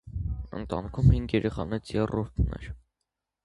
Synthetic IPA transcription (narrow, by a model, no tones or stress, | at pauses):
ə̰nt̪ɑnikʰumhiŋɡjɛɾɛχɑnɛt͡sʰjɛrɔɾt̪ʰnɛ̰ɾ